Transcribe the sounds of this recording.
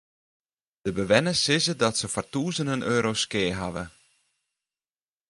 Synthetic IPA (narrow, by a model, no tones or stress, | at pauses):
d̥əbəʋɛnəsɪzədɔtsəfɔrtuːzənənʔøːɾoskɪːɦaʋə̰